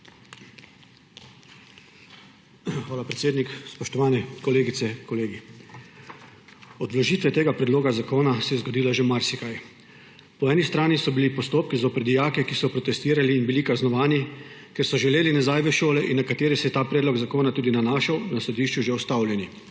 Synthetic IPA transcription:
xʋaːlapɾɛt̪seːd̪nikspɔʃt̪ɔʋaːnɛkɔleːɡit̪sɛkɔleːɡi | ɔd̪ʋlɔʒiːt̪ʋɛt̪eːɡapɾɛd̪loːɡazakoːnasɛjɛzɡod̪iːlaʒemaɾsikaj | pɔɛːnist̪ɾaːnisɔbilipɔst̪oːp̚kizɔpɾɛd̪ijaːkɛkisɔpɾɔt̪ɛst̪iːɾaliːnbilikaznɔʋaːnikɛɾsɔʒɛleːlinazajʋɛʃoːlɛʔinːakat̪eːɾisɛjɛt̪aːpɾɛːd̪lɔɡzakoːnat̪uːd̪inanaːʃawnasɔd̪iːʃt͡ʃuʒewst̪awljɛni

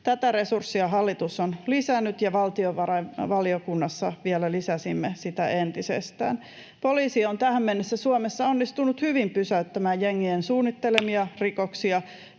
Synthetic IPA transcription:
t̪æt̪æɾe̞sursːiɑɦɑlːit̪usːonlisænːyt̪jɑʋɑlt̪ioʋɑrɑʋɑliokunːɑsːɑʋielælisæsimːesit̪æʔent̪isḛst̪æ̰ːn | po̞liːsiont̪æhæmːenːesːæsuomesːɑonːist̪unut̪hyʋimpysæyt̪ːæmæːjjeŋːiensuːnːit̪ːelemiɑrikoksiɑ

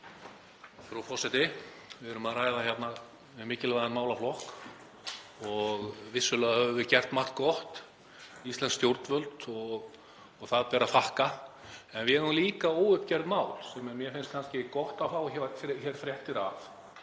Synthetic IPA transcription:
fɾɔfɔsajt̪ɪ | vɪðɛɾʏmaðraːjðaçjɛt̪na | vɪðmɪːcɪlvajðanmaːwlaflɔhk | ɔɣvɪsːʏlɛːɣahœvʏvɪðcɛr̥t̪maht̪kɔht̪ | ist̪ɛnst̪jowɾt̪nvœlt̪ɔɣː | ɣθaðpɛːɾaθahkaɛnvɪɛɾʏmliːkaoːwʏhpcɛɾðmaːwlsɛmɛɾmjɛfɪnst̪kʰanscɪkɔht̪awfaːwçɛvat̪çɛɾ̥fɾjɛht̪ɪɾaf

